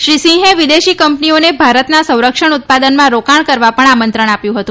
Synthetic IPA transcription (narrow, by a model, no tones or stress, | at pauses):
ʃɾisĩɦẽʋid̪eʃikəmpnionebʱaɾət̪nasə̃w̃ɾəkʂəɳut̪̚pad̪ənmãɾokaɳkəɾʋapəɳamənt̪ɾəɳ̃apjũɦət̪ũ